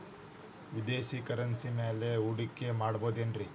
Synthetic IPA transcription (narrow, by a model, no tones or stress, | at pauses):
ʋid̪eːʃikɐɾɐnsimeːle̞uɽikːemaːɽbo̞ːd̪enɖɾi